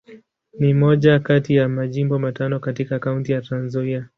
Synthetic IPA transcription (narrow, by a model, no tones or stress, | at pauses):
nimɔʄakatijamaʄimbɔmatanɔkatikaːkauntijatanzania